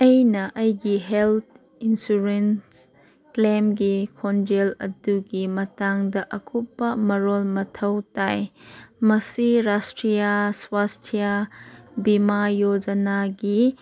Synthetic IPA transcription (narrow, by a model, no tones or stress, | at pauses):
ʔejnɐʔɐjɡiɦɛlt̪̚ʰ | insuɾɛns | klemɡikʰɔnd͡ʒɛlɐduɡimɐtaŋdɐʔɐkʰupːɐməɾɔlmɐtʰɐwtajmɐsiɾastɾijaswastʰija | bimajod͡ʒɐnaɡi